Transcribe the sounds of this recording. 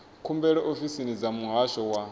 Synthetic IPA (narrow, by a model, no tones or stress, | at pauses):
kʰumbɛɺɛʔofisinid͡zamuɦaʃɔwa